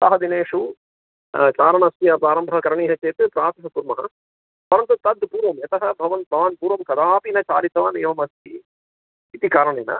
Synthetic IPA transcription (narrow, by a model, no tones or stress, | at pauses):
sɐːɦɐd̪ineːʂu | t͡ʃaːɾɐɳɐst̪ʰiɐpɾaːɾɐmbʱɐɦɐkɐɾɐɳiːɦɐt͡ʃeːt̪ɨpɾaːt̪ʰɐɦɐpuːɾmɐɦɐ̰ | pɐɾɐnt̪ut̪ɐd̪puːɾʋɐmjɐt̪ɐɦɐbʱɐʋɐnbʱɐʋɐnpuːɾʋɐmkɐd̪aːpinɐt͡ʃaːɾit̪ʋaːnejʋɐmɐst̪ʰi | it̪ikaːɾɐɳeːnɐ̰